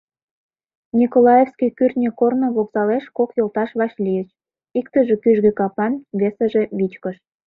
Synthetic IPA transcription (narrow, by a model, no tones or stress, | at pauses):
nʲikolɑjefskijkyrʲt̪nʲəkornŏβoksɑleʃkokjolt̪ɑʃβɑʃlʲijət͡ɕ | ikt̪ə̆ʒĕkyʒɣekɑpɑnβesəʒe̽βit͡ɕkə̆ʃ